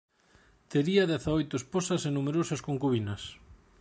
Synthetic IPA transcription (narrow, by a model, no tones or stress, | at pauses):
t̪eɾiɐðɛθaojt̪ʊesposɐsenumeɾosɐskoŋkuβinɐs